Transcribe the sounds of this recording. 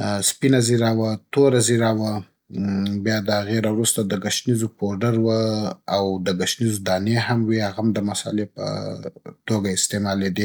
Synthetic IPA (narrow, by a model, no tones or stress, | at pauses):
spinaziɾawat̪oɾaziɾawə | bjɑd̪əaɣeɾawɾust̪ad̪əɡaʃnizopoɾɖəɾwəawd̪əɡaʃnizod̪ɑneɦamwiaɣamd̪əmasɑ̰lepə̰t̪oɡaɪst̪emɑled̪i